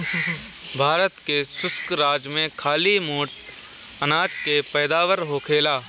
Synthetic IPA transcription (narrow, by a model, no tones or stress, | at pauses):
bʱaːɾət̪kesʊskɾaːd͡ʒmẽkʰaːlimuːɾt̪ | ənaːd͡ʒkepɛːd̪aːʋəɾɦoːkʰeːlaː